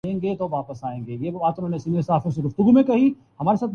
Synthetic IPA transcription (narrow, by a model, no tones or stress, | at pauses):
ẽːŋɡet̪oʋaːpəsaːẽːŋɡeːjeːbaːt̪ʊnɦõːnesiːnesaɦaːfjõseɡʊft̪ʊɡumẽkɐɦi | hɐmaːɾesaːt̪